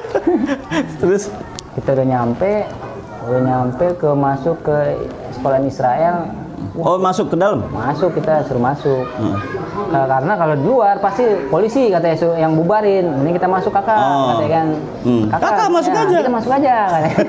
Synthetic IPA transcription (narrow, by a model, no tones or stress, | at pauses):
t̪əɾʊskit̪audaɲampɛ | udaɲampɛkəmasʊkːə | sə̥kolanisɾaɛl | omasʊkːədaləmmasʊkːit̪asuɾumasʊk̚ | kakaɾənakalodiluarpast̪ipolisikat̪asujaŋbubaɾɪnniŋkit̪amasʊkːakakat̪akan | kakaakamasʊkad͡ʒait̪amasʊkad͡ʒakat̪a